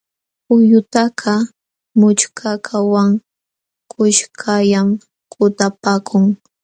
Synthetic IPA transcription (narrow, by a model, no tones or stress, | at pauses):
ʊjʊt̪akʰa | mʊt͡ʃkʰakʰawaŋ | kʊʃkʰajam | kʊt̪apaːkʰʊŋ